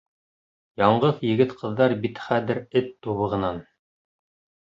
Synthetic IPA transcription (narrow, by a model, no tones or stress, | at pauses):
jɑɴɢɤðjɘ̆ɡɘt̪qʰɤ̆ðːɑɾbit̪χæðɘɾɘt̪ːuβɤ̆ʁɤ̆nɑn